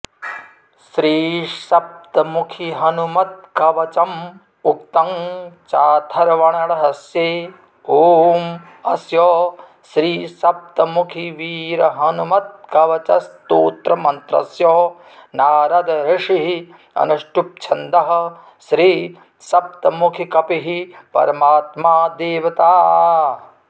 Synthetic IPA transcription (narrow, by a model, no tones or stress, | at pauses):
sɾiːsɐp̚t̪ɐmukʰiɦɐnumɐt̪̚kɐʋɐt͡ʃɐm | ukt̪ɐŋt͡ʃaːt̪ʰɐɾɐʋɐɳɐɽɐɦɐsjeː | oːm | ɐsjɔː | ʃɾiːsɐp̚t̪ɐmukʰiʋiːɾɐɦɐnumɐt̪̚kɐʋɐt͡ʃɐst̪oːt̪ɾɐmɐnt̪ɾɐ̰sjɔː | naːɾɐd̪ɐɾɪʂiɦi | ɐ̰nuʂʈup̚t͡ʃʰɐnd̪ɐɦɐ̆ | ʃɾiː | sɐp̚t̪ɐmukʰikɐpiɦipɐ̰ɾɐmaːt̪maːd̪eːʋɐt̪aː